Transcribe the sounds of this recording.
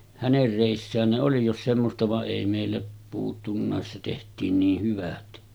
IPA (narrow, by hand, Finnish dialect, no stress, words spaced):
hæner reˑisːæːn ne oli jos semːostɑ ʋɑʔ ʔeˑi meˑilːæ puːtːunːɑˑes se tehtˑiːn niːh hyʋæt